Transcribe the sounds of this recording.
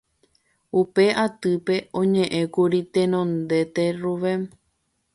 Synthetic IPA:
upe̞ʔat̪ɨpe̞õ̞ɲẽ̞ʔẽ̞kuɾit̪ẽnõnd̪e̞t̪e̞ruʋem

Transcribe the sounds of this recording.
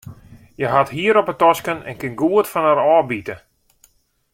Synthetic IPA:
jəɦathiəɾɔpətɔskənɛ̰nkɪnɡuətfanəɾɔːbitə

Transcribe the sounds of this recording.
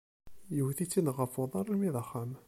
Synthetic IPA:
jəhθit͡sːinʁəfoðˤɑɾˤlmiðˤɑχːam

